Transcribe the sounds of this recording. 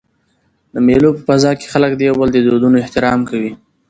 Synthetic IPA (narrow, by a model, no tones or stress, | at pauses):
d̪əmelopəfazɑke̥xaləkd̪əjawbəld̪əd̪od̪unoɪht̪ɪɾɑmkawi